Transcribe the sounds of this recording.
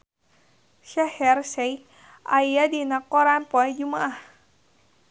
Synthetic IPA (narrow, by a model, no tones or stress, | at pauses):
ʃahɛrsɛj | ʔajadinakɔɾanpɔɛd͡ʒumaʔah